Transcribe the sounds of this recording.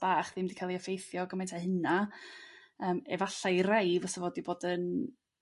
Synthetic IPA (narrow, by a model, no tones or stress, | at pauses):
b̥aːχðɪmdikʰalˠiəfejθjɔɡəmejntʰahəna | əːmɛ̰vaɬajrajvɔsəvɔdiboːdən